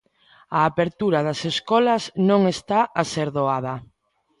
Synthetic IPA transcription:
aːpeɾt̪uɾɐðɐseskɔlɐznõŋest̪aʔaseɾðoað̞ɐ

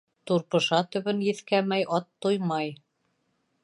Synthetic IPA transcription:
t̪uɾpɤ̆ʃɑt̪ɵ̆βɘnjɘ̆θkæmæjʔɑt̪ːujmɑj

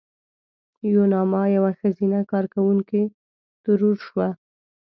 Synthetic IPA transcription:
jonɑmɑjawaxazinakɑɾkawuŋke | t̪ʊɾuɾʃwa

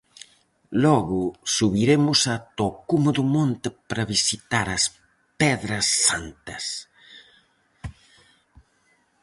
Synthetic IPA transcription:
lɔɣʊsuβiɾemʊsɐt̪okumuðʊmõnt̪ɪpɾɐβisit̪aɾɐs | pɛðɾɐsːant̪ɐs

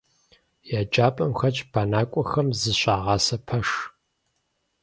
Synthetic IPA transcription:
jaːd͡ʒaːpʼɐmxɐt͡ʃʼb̥aːnaːkʷʼɔxɐmzɨɕʼaːʁɑːsɐpʰɐʂ

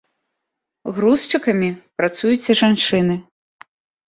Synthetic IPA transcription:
ɣɾust͡ʂɨkɐmʲipɾat̪sujut͡sʲɐʐant͡ʂɨnɨ

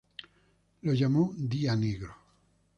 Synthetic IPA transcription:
loʝamod̪ianeɣɾo

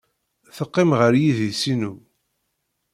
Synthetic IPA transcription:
θəqːɪmʁəɾjiðisinu

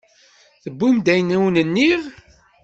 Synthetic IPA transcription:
θəbːumd̪æjnæwnənːiʁ

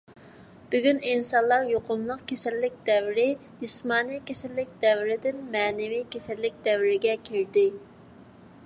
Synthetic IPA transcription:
b̥yɡʲyninsɑnlˠɑɾjoqʰʊmlˠəqkʲʰesɛlːɪk̚ʲd̪ɛwɾɪd͡ʒismɑːnijkʲʰesɛlːɪk̚ʲd̪̥ɛwɾɪd̪ɪnmɛːnɪvijkʲesɛlːɪk̚ʲd̪̥ɛwɪɾɪɡʲɛkʲʰiɾd̪ɪ

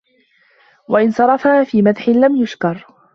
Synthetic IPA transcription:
waʔɪnsˤɑɾˤɑfahaːfiːmaðħɪnlamjʊʃkɑɾˤ

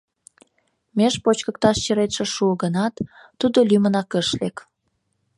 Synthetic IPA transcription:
meʃpot͡ɕkək̚t̪ɑʃt͡ɕəɾet̪ʃĕʃuəɣənɑt̪ː | ud̪olymənɑkəʃlek

